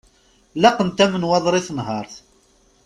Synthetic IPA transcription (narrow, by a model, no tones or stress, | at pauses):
lɑqənt̪æmənwɑðˤɾˤɪθnɦɑɾˤθ